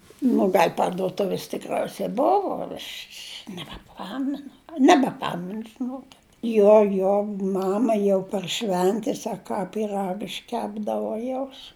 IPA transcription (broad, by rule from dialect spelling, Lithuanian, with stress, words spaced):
nʊ ˈɡɐlʲ pɐrduɔˈtʊʋʲɪs tʲɪkˈrɐʊsɐ ˈbʊʋʊ ɐʃʲ ʃʲ nʲɛbʲɛˈpɑːmʲɛnʊ nʲɛbʲɛˈpɑːmʲɛnʊ ʒʲɪˈnuɔkʲɪt ˈjoː joː ˈmɑːmɐ jɛʊ pɐr ˈʃʲʋʲɛnʲtʲɛs ɐ ˈkɑː pʲiːˈrɐk ɪʃʲˈkʲæːbdɐʋʊ ˈjɛʊs